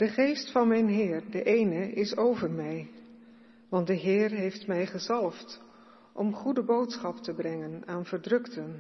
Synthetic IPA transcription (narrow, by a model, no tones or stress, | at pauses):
d̥əχejstfɑnmɛjnɦɪːɹdəʔejnəɪsowvəɹmɛj | ʋɑntdəɦɪːɹɦejftmɛjχəzɑlˠəft | ʔɔ̰mχudəbowtsχɑptəbrɛŋənaːnv̥əɹdrɵktən